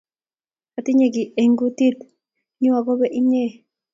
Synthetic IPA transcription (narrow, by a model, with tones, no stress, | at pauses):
a˨t̪i˦ɲe˨ɡi˨e˨ŋɡu˦t̪i˦t̪ | ɲi˦wa˨ɡo˦be˦ʔi˦ɲe˦˨